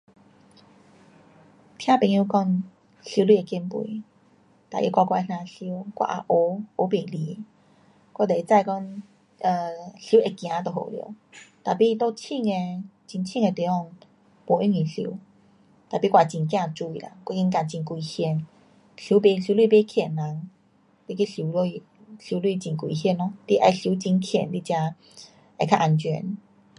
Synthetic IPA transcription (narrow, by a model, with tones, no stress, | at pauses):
t̪ʰj̃ã˦pe˧˩ŋju˧˦kɔ˧ŋ | ɬi˧˦lwi˧˨e˨ki˧˦mpwḭ˧˦ | t̪a˨ʔḭ˧˦kʷa˧kwa˧e˧n̥ã˧ɬi˦kwa̰˧˩ʔa̰˧ʔo˧˦o˨˧˦be˨li˨˦ | kɔ˥˦t̪e˨i˨˧t͡sa˥˧˨jkɔ˦ŋ | ə˨˩ɬu˦ʔe˨˧kj̃ã˨˦t̪ɔ˨˩ho̰˨ljo̰˨˦ | t̪a˨pi˧˦˧t̪o˦t͡ɕʰi˥˧ŋe˧t͡ɕi˧nt͡ɕʰi˥˧˨ŋe˧t̪i˨˧˦ɔ˥˧˩ŋ | pɔ˧˩i˦˥ŋĩ˨˩ɬḭ˧˦ | t̪a˨˩pi˦kwa˨˩t͡ɕĩ˨˩nkj̃ã˧˨t͡su˧i˨la̰˨˧˦ŋkɔ˧˦i˧˦nka˧˩t͡ɕi˧nkwi˧hjɛ˧n | ɬu˧˦be˧˦ɬju˧˦lwi˥˧˨be˦kʰjɛ˨˩nla˨˦ŋ | t̪i˧ki˦ɬi˧˦l | ɬi˧˦lwi˥˧t͡ɕi˨nkwḭ˧˨ɦjɛ˧˨nːɔ˧˦t̪i˦˧ʔa̰˧jɬi˧˦t͡ɕi˧nkʰjɛ̰˨˩nli˦˧t͡ɕja˧ | a˧˨kʰa˧ʔa˧nt͡ɕɛ̰˧˦n